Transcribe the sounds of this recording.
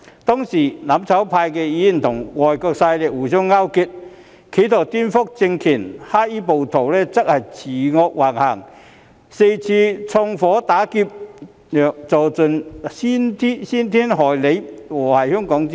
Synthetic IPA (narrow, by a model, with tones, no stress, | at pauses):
t̪ɔː˥ŋsiː˨˩nɐ˨˥mt͡sʰɐ˨˥wpʰaː˧jkɛː˧jiː˨˥˨t̪ʰʊ˨˩ŋŋɔː˨jkɔː˧k̚sa˧jlɪ˨k̚wuː˨˩sʊ˥ŋːaː˥wki˧˥t̚ | kʰe˨˥t̪ʰɔː˨˩t̪i˥nfʊ˥k̚t͡sɪ˧ŋkʰiː˨˩nhaː˥iː˥po˨wt̪ʰo˨˩wlɛː˥t͡sɐ˥k̚hɐ˨jt͡sʰiː˨˩ŋɔː˧k̚waː˨˩ŋha˨˩ŋ | se˧jt͡sʰiː˧t͡sʰɔː˧ŋfɔː˨˥t̪aː˨˥ki˧p̚ | jœː˨k̚t͡so˨wt͡sɵ˨˧nsiː˥nt̪ʰi˥siː˥nt̪ʰiː˥nɦɔː˨˩jle˨˧˥jwɔː˨˩hɐ˨jhœː˥ŋkɔː˨˥ŋ